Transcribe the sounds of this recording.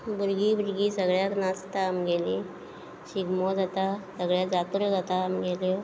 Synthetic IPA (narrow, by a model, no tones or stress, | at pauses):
buɾɡibuɾɡiːsəɡɭjaknast̪aːmɡeli | ɕiɡmɔd͡zat̪asəɡɭjad͡zat̪ɾɔd͡zat̪aːmɡeljo